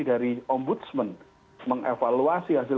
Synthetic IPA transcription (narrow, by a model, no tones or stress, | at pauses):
idaɾiɔmbut̪smən | məŋʔḛfaluasiɦas̬ɪ